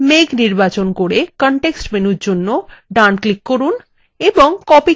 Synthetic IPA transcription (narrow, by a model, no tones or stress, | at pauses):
meɡniɾbat͡ɕonkoɽekɔɳʈeksʈmenuɾd͡ʑonːoɖanklikːoɾun | eboŋkɔpi